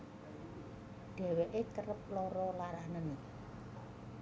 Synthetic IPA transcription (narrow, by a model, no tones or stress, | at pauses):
ɖ̥ɛ̤weʔet̪əɾəp̚lɔɾɔlaɾanən